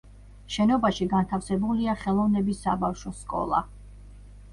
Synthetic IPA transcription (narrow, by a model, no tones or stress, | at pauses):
ʃɛnɔbaʃiɡant̪ʰafsɛbuliaχɛlˠɔvnɛbisːabafʃɔskʼɔ̰lˠa̰